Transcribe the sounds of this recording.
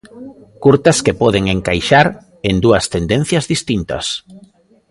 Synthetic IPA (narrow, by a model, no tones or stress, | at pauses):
kuɾt̪ɐskepɔðeŋeŋkajʃaɾ | end̪uɐst̪end̪en̟θjɐzðist̪int̪ɐ̰s